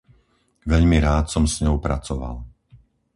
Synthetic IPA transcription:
ʋɛʎmiɾaːt̪sɔmsɲɔʊpɾat͡sɔʋa̰l

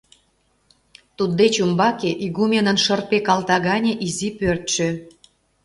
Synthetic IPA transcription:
t̪ud̪ːet͡ɕumbɑkeʔiɣumʲenənʃərpekɑlt̪ɑɣɑnʲeʔizipørt̪ʃø̆

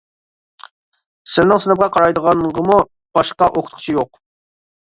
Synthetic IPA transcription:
sɪɾnɪŋsɨnəp̚qʰɑqʰɑɾɑjd̪əʁɑnʁəmu | b̥ɑʃqɑʔoqʰʊt̪ʰqʰʊ̥t͡ʃʰijoq

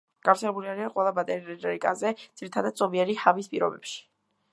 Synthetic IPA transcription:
ɡ̥aft̪sʰɛlɛbuliaɾiaqʼwɛlˠabat̪ʼɛɾiɾɛɾikʼa̰zɛd̪z̥iɾit̪ʰad̪ad̪̚sʼɔbiɛɾihavispʼiɾɔbɛpʃi̥

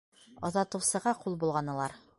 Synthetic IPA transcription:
ɒðɑt̪ɤ̆wsɤ̆ʁɑqulˠbulˠʁɑnɤ̆lˠɑɾ

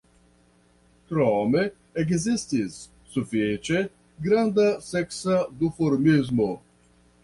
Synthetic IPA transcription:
tɾɔme | eɡzist̪isː | ufet͡ʃe | ɡɾand̪asɛksad̪ufoɾmizmo

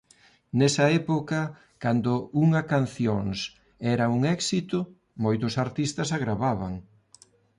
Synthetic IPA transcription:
nɛsɐɛpokɐ | kand̪ʊuŋɐkan̟θjoŋs | ɛɾɐuŋɛksit̪ʊ | mojt̪ʊsaɾt̪ist̪ɐsaɣɾaβaβɐŋ

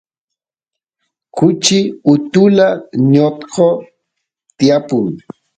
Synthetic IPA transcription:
kʊt͡ʃɪʊt̪ʊlaɲot̪qʰo | t̪ɪjapʊŋ

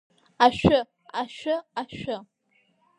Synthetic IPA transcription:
aʃᶣʊ | aʃʷᶣʊaʃʷᶣʊ

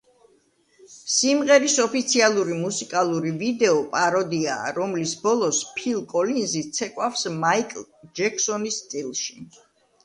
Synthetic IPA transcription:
simʁɛɾisɔpit̪sʰialˠuɾimusikʼalˠuɾivid̪ɛɔpʼaɾɔd̪ia̰ːɾɔmlisbɔlˠɔspʰilˠkʼɔlinzit̪sʰɛkʼwafsmaikʼ | d͡ʒɛkʰsɔnist̪sʼilˠʃi̥

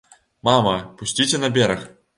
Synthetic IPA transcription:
mɑmɤpuɕʲtʲit͡ɕʲɘ̆năbʲeɾʲɘ̆xʲ

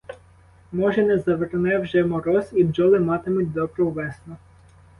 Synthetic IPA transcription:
mɔʒɛnɛzɐʋernɛwʒɛmɔɾɔsid͡ʒɔlˠɪmɑt̪ɪmʊtʲd̪ɔbɾɔwʋɛsnʊ

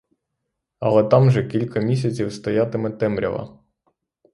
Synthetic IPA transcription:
ɐlˠɛt̪ɑmʒɛkʲilʲkɐmʲisʲɐt͡sʲiwst̪ɔjat̪ɪmɛt̪ɛmɾʲɐ̰ʋɐ̰

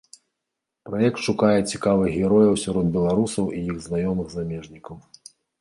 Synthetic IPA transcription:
pɾajɛk̚t̪ʂukajɛt͡sʲi̥kavɨɣʲɛɾɔjɐwsʲaɾɔd̪̚bʲɛlˠaɾusɐwʔijiɣznajɔmɨɣzamʲɛʐnʲikɐw

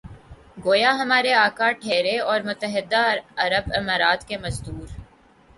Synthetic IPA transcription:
ɡoːjaɦɐmaːɾeaːkaʈʰeːɾeɔːɾmʊt̪əɦɪd̪aɐɾəbɪmaːɾaːt̪kemɐzd̪uːɾ

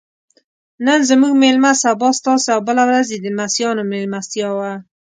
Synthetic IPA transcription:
nənzəmuɡmelmasabɑst̪ɑseawbəlawɾazed̪əmasjɑnomelmast̪jɑwa

